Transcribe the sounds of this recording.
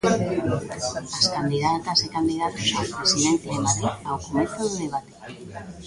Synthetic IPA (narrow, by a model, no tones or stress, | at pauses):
askand̪iðat̪asekand̪iðat̪osapɾesiðent̪eemaðɾiawkomeθoðoðeβ̞at̪e̥